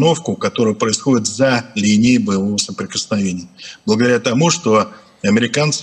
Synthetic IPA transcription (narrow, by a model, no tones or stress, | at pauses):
no̞fkʊkɐt̪o̞ɾʊjʊpɾəɪsxo̞dʲɪt̪zɐlʲinʲɪjbəjɪvo̞vəsəpɾʲɪkəsnɐvʲenʲɪjəb̥lˠəɡəd̪ɐɾʲat̪ɐmuʂt̪o̞ | ɐmʲɪɾʲɪkant̪s